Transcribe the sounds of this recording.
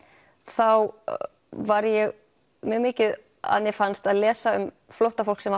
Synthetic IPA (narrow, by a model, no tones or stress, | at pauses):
θaw | vaɾjɛɣ | mʏɣmɪːcɪð | a̰ðnjɛfanst̪aðlɛːsaʏ̰m | flɔwht̪afowl̥ksɛma